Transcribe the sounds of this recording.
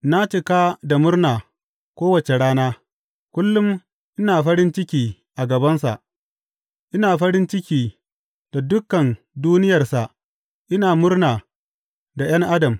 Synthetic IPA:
na˦t͡ʃɪ˦kaː˦da˨mʊ˦rnaː˨ | kʷoː˦wɐ˨t͡ʃe˨ɽaː˦naː˦ | kʷʊ˦lːʊ˦m | ʔɪ˦naː˨ɸɐ˦ɽɪ˦nt͡ʃɪ˦kʲiː˦ | ʔa˨ɡɐ˨bɐ˦nsa̰˨ʔ | ʔɪ˦naː˨ɸɐ˦ɾɪ˦nt͡ʃɪ˦kʲiː˨ | d̥a˨dʊ˦kːɐ˨n | duː˦nɪ˦jɐ˨rsa˨ʔ | ʔɪ˦naː˨mʊ˦rnaː˨ | da˨j̰ɐ˦ŋʔa˦dɐ˨m

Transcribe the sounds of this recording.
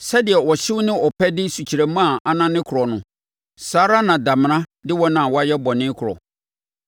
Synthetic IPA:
sɛ˦dɪ˨ɛ˨wɔ˨ɕɪ˦wnɪ̃˦ɔ˨pʰɛ˦dɪ˦su˨t͡ɕʰi˨ɾæ˨mã˦˨a˨nã˦nɪ̃˦kʰʊ˨ɾɔ˨nʊ̃˨ | saː˨˦ɾa˦nã˨da˨m˨nã˦dɪ˦wɔ˦nã˨wɔ˦a˦jɛ˦bɔ˨nɪ̃˦kʰʊ˨ɾɔ̰˨

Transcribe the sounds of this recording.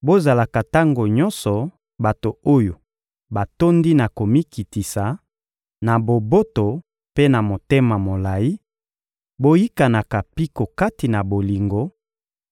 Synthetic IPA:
bo˦za˨la˨ka˨ta˦ŋɡo˨ɲɔ˦nsɔ˨ | ba˨to˨o˦jo˨ | ba˨to˦ndi˦na˨ko˨mi˦ki˨ti˨sa˨ | na˨bo˨bo˦to˨ | pe˦na˨mo˨te˦ma˨mo˨la˨ji˦ | bo˦ji˦ka˨na˨ka˨pi˦ko˨ka˦ti˨na˨bo˨li˨ŋɡo˦

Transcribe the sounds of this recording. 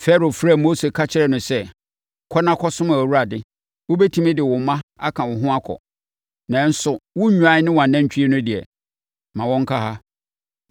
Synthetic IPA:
fɛ˦ɾo˨fɾa˨mo˦se˨kʰa˦t͡ɕʰɪ˦ɾɛ˦nʊ̃˨sɛ˦ | kʰɔ˦nã˦kʰɔ˦sʊ̃˦mã˨wu˦a˨dɪ˦ | wʊ˦bɛ˦tʰĩ˦mɪ̃˦dɪ˨wʊ˨mã˦a˦kʰã˨wʊ˨ɦʊ̃˦a˦kʰɔ̰˨ | nã˨n̩˦sʊ˨wʊ˦ũ˨˦a˨˦nɪ̃˦wã˨nã˦ɲ̩˨t͡ɕʰᶣi˦e˦nʊ̃˦dɪ˨ɛ̰˨ | mã˨wɔ̃˦ŋ̩˦kʰa˦ɦa˦

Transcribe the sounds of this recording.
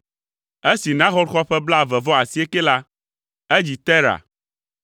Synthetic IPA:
e˦si˨nã˦xɔ˦ɾxɔ˦ɸɛ˦bla˦˨vɛ˨vɔ˦a˨si˦e˦ke˦la˦ | e˦d͡ʑi˨t̪ɛ˦ɾa̰˨

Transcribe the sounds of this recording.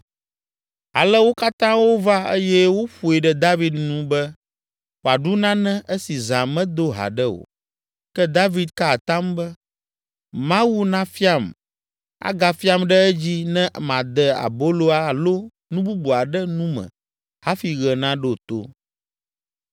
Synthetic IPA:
a̰˨lɛ˦wo˦ka˦t̪ã˦wo˦va˦ə˦jɛ˦wo˦ɸu˨e˨ɖɛ˦d̪a˦vi˦d̪nũ˦bɛ˦ | wo˨a˨ɖu˦nã˦nɛ̃˦ʔɛ˦si˨zã˨mɛ̃˦d̪o˦ɦa̰˨ɖɛ˦o̰˨ | kɛ˦d̪a˦vi˦d̪̚ka˦˨t̪ã˦mbɛ˦ | mã˦wu˦nã˦fi˦a˨m | a̰˦ɡa˨fi˦a˦mɖɛ˦ɛ˦d͡ʑi˦nɛ̃˦ʔmã˨d̪ɛ˨a̰˨bo˦lo˦a˨lo˦ | nũ˦bu˦bu˨a˨ɖɛ˦nũ˦mɛ̰̃˨ | ha˦fi˨ɣɛ˨nã˦ɖo˦˨t̪o̰˦

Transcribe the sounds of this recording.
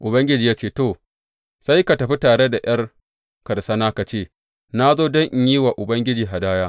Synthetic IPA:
ʔʊ˨bɐ˦ŋɡʲɪ˦d͡ʒiː˨jaː˦t͡ʃeː˦˨to˨ | sa˦jka˨tɐ˨ɸi˦taː˨ɽe˦da˨j̰ɐ˦r | kɐ˨ɽsɐ˦naː˦ka˨t͡ʃeː˦˨ | na˦zoː˦dɔ˦ŋʔɪ˦ɲjiː˦wa˨ʔʊ˨bɐ˦ŋɡʲɪ˦d͡ʒiː˨ɦa˨daː˦jaː˦

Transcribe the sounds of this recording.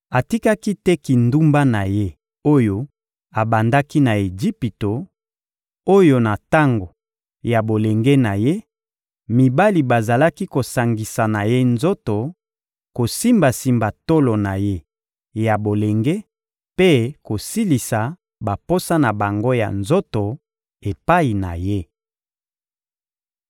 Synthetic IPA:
a˨ti˦ka˦ki˦tɛ˦ki˨ndu˦mba˦na˨je˦ | o˦jo˦ | a˨ba˨nda˦ki˦na˨e˨ʒi˦pi˨to˨ | o˦jo˦na˨ta˦ŋɡo˨ | ja˨bo˨le˨ŋɡe˦na˨je˦ | mi˨ba˦li˨ba˨za˨la˦ki˦ko˨sa˨ŋɡi˨sa˨na˨je˦nzo˦to˨ | ko˨si˦mba˨si˨mba˨to˦lo˨na˨je˦ | ja˨bo˨le˨ŋɡe˦ | pe˦ko˨si˦li˨sa˨ | ba˨po˦sa˦na˨ba˨ŋɡo˦ja̰˨nzo˦to˨ | e˨pa˦i˨na̰˨je˦

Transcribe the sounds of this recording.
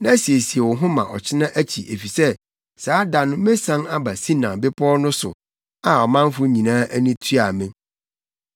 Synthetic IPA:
nã˦si˨e˨si˨e˨wɔ˨ɦʊ̃˦mã˨ʔɔ˨t͡ɕʰɪ˦nã˦ʔæ˦t͡ɕʰi˨ʔe˨fi˨sɛ˦ | saː˦da˨nʊ̃˦mẽ˦sã˦ŋa˦ba˨sĩ˦nã˨bɪ˦pʰɔː˦nʊ̃˦sʊ̰˨ | a˦ɔ˨mã˦n˦fʊ˦ɲĩ˨nãː˦ʔæ˦nĩ˦tʰɥa˨mɪ̃˦

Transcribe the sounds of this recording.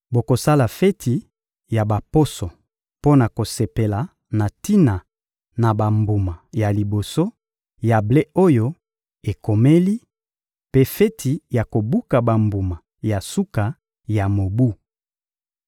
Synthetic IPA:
bo˨ko˨sa˦la˨fɛ˦tʰi˨ | ja˨ba˨po˦so˨ | po˦na˨ko˨se˨pe˨la˨ | na˨ti˦na˨ | na˨ba˨mbu˨ma˨ja˨li˨bo˨so˦ | ja˨ble˦o˦jo˦ | e˨ko˨me˦li˦ | pe˦fɛ˦tʰi˨ja˨ko˨bu˦ka˨ba˨mbu˨ma˨ | ja˨su˦ka˨ | ja˨mo˨bu˦

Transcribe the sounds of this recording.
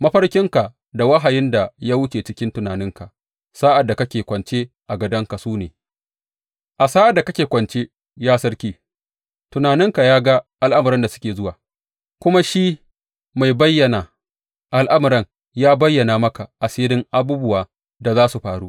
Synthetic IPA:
mɐ˦ɸɐ˦rkʲɪ˦ŋka˨ | da˨wɐ˦ɦa˨jɪ˦nda˨jaː˦wʊ˦t͡ʃeː˨t͡ʃɪ˦kʲɪ˦ntʊ˨naː˨nɪ˦ŋka˨ | saː˦ʔa˨dːa˨kɐ˦kʲeː˨kʷɐ˨nt͡ʃe˦ | ʔa˨ɡɐ˨dɐ˦ŋka˨suː˦neː˨ | ʔa˨saː˦ʔa˨dːa˨kɐ˦kʲeː˨kʷɐ˨nt͡ʃeː˦ | jaː˦sɐ˦ɽkʲiː˦ | tʊ˨naː˨nɪ˦ŋka˨jaː˦ɡa˦ʔa˨lʔa˦mʊ˨ɾɐ˦nda˨sʊ̥˦kʲeː˨zʊ˦waː˨ | kʷʊ˦ma˦ʃiː˦ | ma˨jbɐ˦jːɐ˨na˨ | ʔa˨lʔa˦mʊ˨ɾɐ˦ŋ | jaː˦bɐ˦jːɐ˨naː˨mɐ˦ka˨ʔa˨seː˦ɾɪ˦ŋʔa˦buː˦bʊ˦waː˨ | da˨zaː˦su˨ɸaː˨ɽuː˦

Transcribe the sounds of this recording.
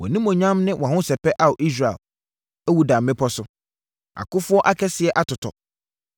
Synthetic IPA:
wɔ̰̃˨nĩ˦mɔ̃˨ɲã˦mnɪ̃˦wʔɔ̃˨ɦʊ̃˦sɛ˨pɛ˦ʔa˦wɔ˨ʔi˦s̬ɾa˨ɛ̰˨l | æ˦wu˨dã˨mːɪ̃˦pʰɔ˦sʊ˦ | ʔa̰˨kʊ˦fʊ˦ɔ˦ʔa˦kʰɛ˦sɪ˨ɛ˨ʔa˦tʊ˨tʰɔ̰˨

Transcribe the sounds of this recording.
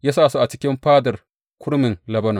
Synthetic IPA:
jaː˦saː˦˨su˦ʔa˨t͡ʃɪ˦kʲɪ˦mɸaː˦dɐ˨r | kʰʷʊ˦ɽmɪ˨ŋlɐ˨bɐ˦na˨

